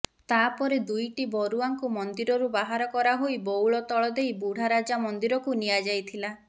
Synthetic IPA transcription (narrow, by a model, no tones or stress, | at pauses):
t̪apɔɾed̪ujʈibɔɾuaŋkumɔnd̪iɾɔɾubaɦaɾɔkɔɾaɦojbowɭɔt̪ɔɭɔd̪ejbuɽ̤aɾad͡ʒamɔnd̪iɾɔkunijad͡ʒajt̪ʰila